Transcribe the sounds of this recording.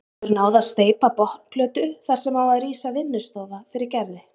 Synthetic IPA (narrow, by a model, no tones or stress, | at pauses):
ʏɾnaːwðast̪eːjpapɔht̪pʰlœːt̪ʏθaɾ̥sɛmaːwaðriːsavɪnːʏst̪oːðafɪɾɪɾcɛɾðɪ